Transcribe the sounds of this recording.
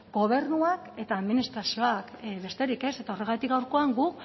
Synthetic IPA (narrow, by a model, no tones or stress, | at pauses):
ɡo̞β̞e̞ɾnuake̞t̪aːðminist̪ɾasio̞akβe̞st̪e̞ɾike̞se̞t̪ao̞re̞ɣ̞at̪ikɡawɾko̞aŋɡuk